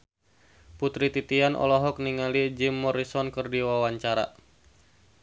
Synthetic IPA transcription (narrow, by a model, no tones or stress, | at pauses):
put̪ɾit̪it̪ianʔɔ̰lɔɦɔk̚niŋalid͡ʒɪmːɔɾisɔnkərdiwawaɲt͡ʃaɾa̰